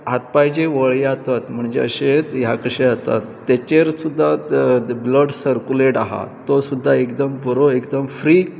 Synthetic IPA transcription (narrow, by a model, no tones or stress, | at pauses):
ɦat̪̚pajd͡ʑeʋəɭjat̪at̪m̤əɳd͡ʑḛəɕet̪jakəɕeat̪a̰t̪ːet͡ɕeɾsud̪ʱːabləɖsəɾkuleʈaɦa̰t̪osud̪ʱːaekd̪əmbəɾoekd̪əmfɾi